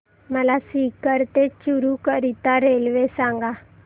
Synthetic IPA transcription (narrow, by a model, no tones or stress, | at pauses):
məlasikəɾt̪et͡ɕuɾukəɾit̪aɾelʋesãŋɡa